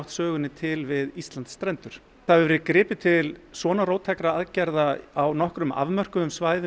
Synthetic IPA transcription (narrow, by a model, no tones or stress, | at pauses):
wt̪sœːɣʏnːɪt̪ʰɪlvɪðist̪lant̪sːt̪ɾɛnt̪ʏɾ̥ | θaðvɛɾɪkɾɪːpʏt̪ʰɪlsvɔːnaɾroːwt̪ʰɛkɾaaðcɛɾðaawnɔhkɾʏma̰vmœr̥kʏʏmsvaːjð